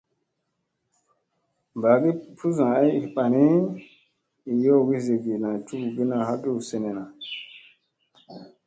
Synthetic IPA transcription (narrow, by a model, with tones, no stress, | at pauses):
mba˨ɡi˦pʰu˦zã˨a˦ji˨ɓa˨ni˦ | i˨jo˦˨ɡi˦ze˨ɡi˨nã˨tu˦ku˨bi˦na˨ha˦ɡi˦u˨se˨ne˨na˨